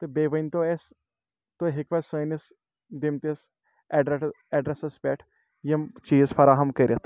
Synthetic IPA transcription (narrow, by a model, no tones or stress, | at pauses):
t̪ɨbeːʋɐnʲt̪oes | t̪oɦikʋɐsɐːnis | d̪imt̪is | ɛɖ | ɛɖɾesɐsbɛːʈʰ | jɐmt͡ʃiːzfʰɐɾaːɦɐmkəɾʲɐt̪ʰ